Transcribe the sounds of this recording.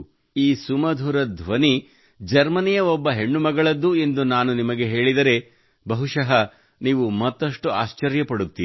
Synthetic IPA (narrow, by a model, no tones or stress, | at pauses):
iːsumɐd̪ʱuɾɐd̪ʱʋɐni | d͡ʒɐɾmɐnijɐɔbːɐɦe̞ɳːumɐɡɐɭɐd̪ːue̞nd̪unaːnunimɐɡe̞ɦe̞ːɭid̪ɐɾe̞ | bɐɦuʂɐɦɐ | niːʋumɐt̪ːɐʂʈuaːʃt͡ʃɐɾjɐpɐɽut̪ːiː